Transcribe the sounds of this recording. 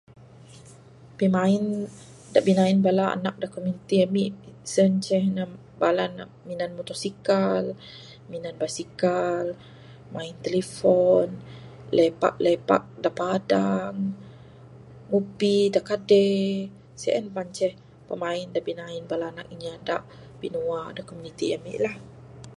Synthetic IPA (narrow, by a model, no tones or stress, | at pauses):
pimain | daʔbinainbalaa̰nak̚dakomint̪iamisənt͡ʃɛhna | balana | minanmut̪ɔsikal | minanbasikal | maint̪elefɔn | lepa̰ʔlepa̰ʔ̚daʔpadaŋ | mubidaʔkadɛ | sɛ̰ʔənpant͡ʃɛh | pəmaɪndabinainbalaːnak̚iɲiadaʔ | b̥inuadakomunit̪iamḭʔlah